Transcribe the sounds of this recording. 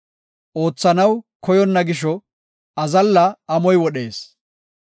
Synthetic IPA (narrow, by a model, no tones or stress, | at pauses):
ʔo̞ːt͡sːɐnɐwkɔjɔnːɐɡɪʃ̬ɔ | ɐzɐlːɐɐmɔjwɔɗe̞ːs